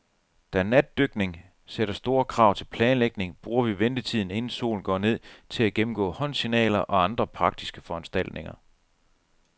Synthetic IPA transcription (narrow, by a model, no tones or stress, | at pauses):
d̥ænæd̥ːøɡ̥ne̝ŋ | seɾɐsd̥o̝ːɐkʰʁɑ̈ːʊ̰t͡sʰe̝lpʰlɛːnleɡ̥ne̝ŋb̥ʁuːɐʋiʋend̥ət͡sʰið̰ˠn̩e̝nn̩so̝̰ːln̩ɡ̥ɒ̰ːne̝ð̰ˠt͡sʰe̝læɡ̥emm̩ɡ̥ɔ̰̽ːhɒ̽n̰sinɛ̰ːlɐʔɒ̽ɑ̈nd̥ʁɐpʰʁɑ̈ɡ̥̚d̥isɡ̥əfɒ̽ænsd̥æl̰d̥̚ne̝ŋɐ